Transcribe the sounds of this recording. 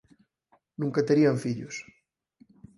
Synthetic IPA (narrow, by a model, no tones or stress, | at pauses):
nũŋkat̪eɾiaɱfiʎus